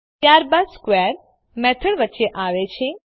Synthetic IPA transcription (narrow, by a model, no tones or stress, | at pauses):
t̪jaɾbad̪skʋɛɾ | mɛt̪ʰəɽʋətːʃeʔaʋet͡ʃʰe